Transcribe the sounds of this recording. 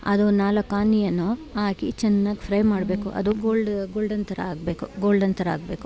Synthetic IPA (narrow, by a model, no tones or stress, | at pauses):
ɐ̰d̪onaːlɐkaːnijɐnːoaːkit͡ʃɐnːaɡpʰɾɐjmaːɽbeːkuʔɐ̰d̪uɡoːlɖɡoːlɖɐnt̪ʰɐɾɐ̰aːɡbeːkuɡo̞ːlɖɐnt̪ʰɐɾɐa̰ːɡ̚beːku̥